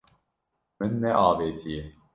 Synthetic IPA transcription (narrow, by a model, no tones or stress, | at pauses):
mɨnːɛʔɑːveːt̪ʰije